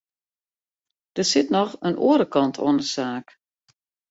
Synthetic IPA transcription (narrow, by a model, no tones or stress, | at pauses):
d̥əsɪtnɔxənʔo̰ːɾəkɑntʰo̰əndəsaːk